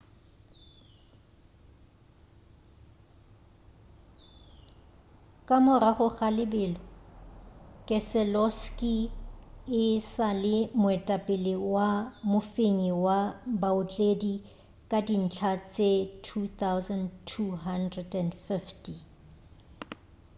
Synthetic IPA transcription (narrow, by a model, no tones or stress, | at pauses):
kʼamʊɾaχʊχalɪbɪːlɔ | kʼɛsɛlɔskʼi | ɪsalɪmʊɛtʼapʼɪlɪwamʊfeɲiwabaʊt͡ɬʼedi | kʼadin̩t͡ɬʰat͡sʼetʰuθawzantʰuɦandrɛdɛndfifti